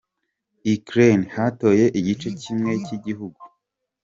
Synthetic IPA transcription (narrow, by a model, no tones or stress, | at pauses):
ikɾenhato̞ːje̞ʔiɟit͡ʃe̞cimŋe̞ciɟiɦuɡu